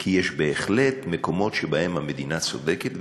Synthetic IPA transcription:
kʰijeʃbe̞ːχle̞t̪meko̞mo̞tʃebahe̞mhamed̪inat͡so̞̰d̪eket̪

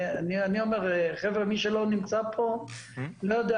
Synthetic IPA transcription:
anianio̞meʁeχevʁemiʃelo̞nimt͡sapʰo̞lojod̪e

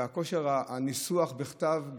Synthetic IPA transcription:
ako̞ʃeʁaanisuaχbeχt̪avɡ

